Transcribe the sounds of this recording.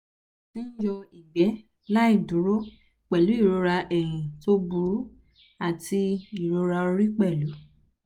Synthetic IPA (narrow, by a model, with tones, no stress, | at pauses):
tĩ˦n̩˦jɔ˧i˨ɡ͡bɛ˨˦ | la˦i˦˨du˨˦ɾo˦ | k͡pɛ˨lu˨˦i˦˨ɾo˧ɾa˧ʔɛ˨hĩ˨to˧bu˨ɾu˨˦ | a˦˨tʰi˧i˨ɾo˧ɾa˧o˧ɾi˦k͡pɛ˦˨lu˨˦